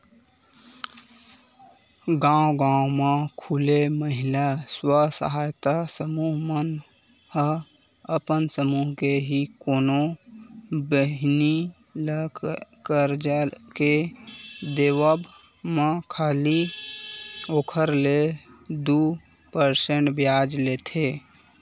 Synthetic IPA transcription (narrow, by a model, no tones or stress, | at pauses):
ɡãwɡãwmãkʰuleməɦɪlaswasə̰ɦaːjt̪asəmuɦmən | hə | əpənsəmuɦkeɦikoːno | bəɦni | ləkkəɾd͡ʒake | d̪eːʋəb | mãkʰaːli | oːkʰəɾled̪u | pəɾsẽɳʈbjaːd͡ʒlet̪ʰe